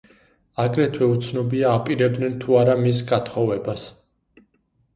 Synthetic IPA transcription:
aɡɾɛt̪ʰwɛut̪sʰnɔbiaːpʼiɾɛb̚d̪nɛnt̪ʰuaɾamisɡat̪ʰχɔvɛbas

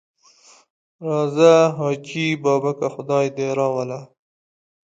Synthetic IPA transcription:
ɾɑzaɦɑːt͡ʃibɑːbakaxʊd̪ɑjd̪eɾɑwala

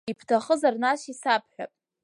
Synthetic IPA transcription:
ipʰtʰaχəzarnaʃisapʰħʷᶣa̰pʼ

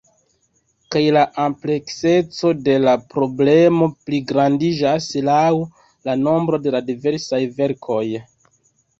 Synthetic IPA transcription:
kajlaʔample̞kse̞t͡so̞de̞lapɾo̞ble̞mo̞pliɡɾandid͡ʒaslaw | lano̞mbɾo̞de̞ladive̞ɾsajve̞ɾkʰo̞j

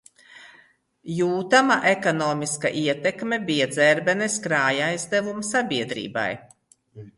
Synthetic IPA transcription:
juːt̪amaʔekɔnɔːmiska̰ʔiɛt̪ɛkmebijad̪zɛɾbɛneskɾaːjajzd̪ɛvumsabʲiɛd̪ɾḭːba̰j

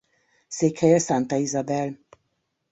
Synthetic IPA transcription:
seːkhɛjɛsɑnt̪ɑizɑbɛl

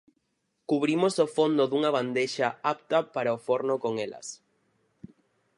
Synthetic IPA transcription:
kuβ̞ɾimosofond̪oðuŋaβ̞and̪eʃaapt̪ɐpaɾaofoɾnokoŋelɐ̰s

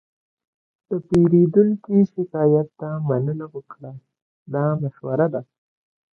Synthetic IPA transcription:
d̪̥əpeɾed̪uŋkiʃɪkɑjat̪ːamanənawəkɽa | d̪ɑmaʃwaɾad̪a

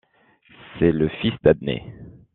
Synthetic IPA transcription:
sɛləfisd̪ad̪nḛ

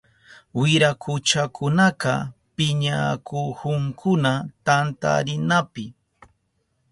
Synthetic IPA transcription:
wɪɾakʊt͡ʃakʊnaqɑ | pɪɲakʰohʊŋkʰʊnat̪ant̪a̰ɾɪnapɪ

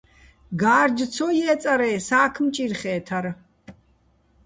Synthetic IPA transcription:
ɡaːɾd͡ʒt͡sʰɔjɛːt͡s̪ʼaɾɛːsaːkʰmt͡ʃʼirχɛːt̪ʰaɾ

